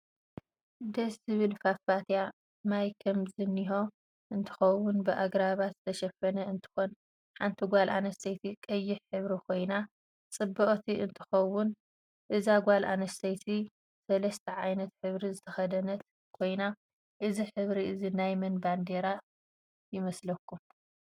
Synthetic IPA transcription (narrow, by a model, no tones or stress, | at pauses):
d̪ɐsɨβɨlfafat̪ja | majkʰɐmzɨniɦo̞ | ʔɨnt̪ʰɨ̥xɐwʊnbɨʔaɡɾaβat̪zɨ̥t̪ʰɐʃɐfɐnɐɨnt̪ʰɨ̥xo̞n | ħant̪ʰiɡʷalʔanɐst̪ʰɐjt̪ʰikʼɐjːɪħħɨβɾikʰo̞jna | t͡sʼɨbːɐχʼt̪ʰiʔɨnt̪ʰɨ̥xɐwːʊn | ʔɨzaɡʷalʔa̰nɐst̪ʰɐjt̪ʰi | sɐlɐst̪ʰɐʕajnɐt̪ħɨβɾizɨt̪ʰɐxɐd̪ɐnɐt̪ | kʰo̞jna | ʔɨziħɨβɾiʔɨzinajmɐnband̪eɾa | jɪmɐslɐkʰːum